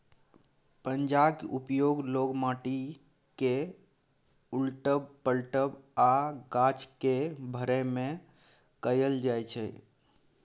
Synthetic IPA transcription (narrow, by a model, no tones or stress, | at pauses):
pəɲd͡ʒabkupjoɡloɡmaʈi | ke | ulʈəbpəlʈəbaɡat͡ʃkebʱəɾɛmẽ | kəjəld͡ʒajt͡ʃʰɛ